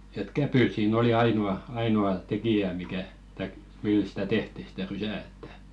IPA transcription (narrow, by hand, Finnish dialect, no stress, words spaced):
et kæpyt siːn oli ɑinuɑ ɑinuɑ tekijæ mikæ tɑik mil sĭ̥tæ tehti stæ rysæˑ etːæ̥